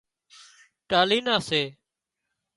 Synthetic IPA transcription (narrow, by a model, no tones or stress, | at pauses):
ʈaːliːnãːseː